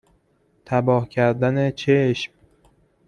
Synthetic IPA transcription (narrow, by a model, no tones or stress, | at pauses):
t̪ʰæbɒːhcʲʰæɾd̪æne̞t͡ʃʰeʃm